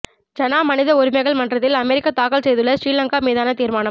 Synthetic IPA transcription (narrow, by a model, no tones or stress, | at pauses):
d͡ʒɐnaːmɐnɪðɐɔɾɯmɐɪɣɐɭmɐndrɐt̪̬ːɪlɐmɛɾɪkːɐt̪aːkɐɭsɛjðɯɭːɐsɾiːlɐŋkaːmiːðaːnɐt̪iːɾmaːnɐm